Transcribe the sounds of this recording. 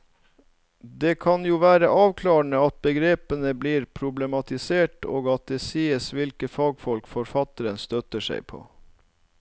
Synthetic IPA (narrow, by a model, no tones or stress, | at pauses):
d̪eːkʰɑnjuːʋæːɾəʔɑːʋkʰlɑːɳəɑt̪̚bəɡɾeːpənəbliːɾpʰɾʊblɛmɑt̪ɪseːʈo̰ːɡɑt̪̚d̪eːsiːəsʋɪlkəfɑːɡfɔlkfɔɾfɑt̪əɾənst̪œt̪əʂæ̰ɪpʰo̰ː